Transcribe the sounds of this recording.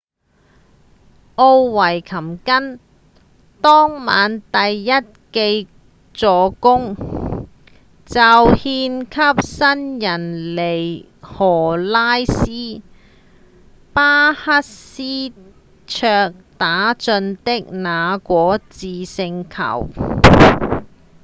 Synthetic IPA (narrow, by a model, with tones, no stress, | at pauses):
ʔo˧wwɐ˨˩jkʰɐ˨˩mkɐ˥n | t̪ɔː˥ŋma̰ː˨˧˥nt̪ɐ˨jːɐ˥t̚ke˧j | t͡sɔː˨˧kʊ˥ŋ | t͡sɐ˨whiː˧nkʰɐ˥p̚sɐ˥njɐ˨˩nle˨˩j | hɔː˨˩laː˥jsiː˥ | paː˥hɐ˥t̚siː˥ | t͡ʃʰœː˧k̚t̪aː˨˥t͡sɵ˧nt̪ɪ˥k̚naː˨˧kʷɔː˨˥t͡siː˨sɪ˧ŋkʰɐ̰˨˩w